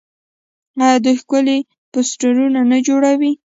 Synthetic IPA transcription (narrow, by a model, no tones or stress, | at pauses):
ɑjad̪əxkʊle | posʈaɾunanad͡ʒoɽawi